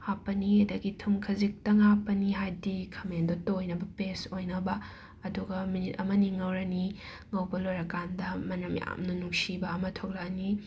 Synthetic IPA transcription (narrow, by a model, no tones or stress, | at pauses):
apːɐnidɐɡitʰuŋkʰɐzik̚tɐŋapːɐniɦajdikʰɐmendotojnɐbɐpesojnɐbɐ | ɐduɡɐminitɐ̰mɐniŋɐwɾɐni | ŋɐwbɐlojɾɐkandɐmɐnɐmja̰mnɐnuŋsibɐːmɐtʰok̚lani